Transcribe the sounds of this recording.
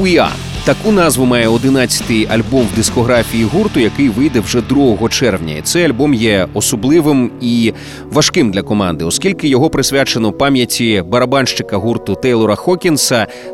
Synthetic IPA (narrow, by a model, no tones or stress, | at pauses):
uja̰ | t̪ɐkunɑzʋʊmɑjɛɔd̪ɪn̪at͡sʲːɐ̥t̪ɪjɐlʲbɔmwd̪ʲiskɔɦɾafʲijiɦurt̪ʊjɐkɪjʋɪjd̪ɛwʐɛd̪ɾuɦɔɦɔt͡ʃɛrwnʲɐ̰ḭt̪sɛjɐlʲbɔmjɛɔsɔblˠɪʋɪmi | ʋɐʃkɪmd̪lʲɐkɔmɑnd̪ɪɔskʲilʲkɪjɔɦɔpɾɪsʲʋʲat͡ʃenɔwpamʲjɐtʲibɐɾɐbanʃt͡ʃɪkɐɦurt̪ʊt̪ɛjlˠɔɾɐxɔkʲinsɐ